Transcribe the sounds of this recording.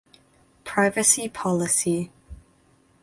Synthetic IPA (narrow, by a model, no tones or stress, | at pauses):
pʰɹ̥aɪvəsipʰɒlɪsi